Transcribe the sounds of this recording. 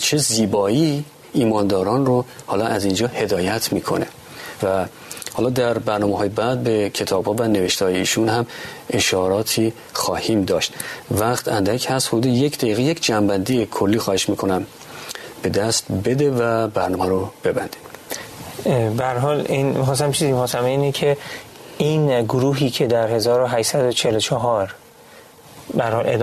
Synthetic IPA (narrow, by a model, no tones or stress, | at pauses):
t͡ʃʰe̞ziːbɒːiː | iːmɒːnd̪ɒːɾɒːnrohɒːlɒʔæzind͡ʒɒːhe̞d̪ɒːjæt̪ʰmiːkʰo̞̰ne̞̰ | væ | hɒːlɒd̪æɾbæɾnɒːmeɦɒːjebæd̪̚be̞cʰe̞t̪ʰɒːb̥hɒːvæne̞ve̞ʃt̪eɒːje̞iːʃunhæmʔe̞ʃɒːɾɒːt̪ʰiː | xɒːhiːmd̪ɒːʃt̪væχt̪ʰænd̪æcʰhæst̪hod̪uːd̪eje̞cʰd̪æiːɣeje̞cʰd͡ʒæmbænd̪ijekʰolːiːxɒːhe̞ʃmiːkʰo̞næm | b̥e̞d̪æst̪be̞d̪evæbæɾnɒːmæɾob̥e̞bænd̪i̥d̪̥ | bææɾɦɒːlinmixɒːs̬æmt͡ʃʰizimixɒːsæmeiːnecʰe | iːnɡoɾuːɦiːcʰe̞d̪æɾhe̞zɒːɾoɦæʃsæd̪ot͡ʃʰelot͡ʃʰɒɦɒɾ | bææɾhɒːlḛd̪